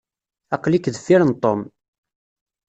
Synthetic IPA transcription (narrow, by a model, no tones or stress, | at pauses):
ɑqlikðəθiɾənt̪ˤom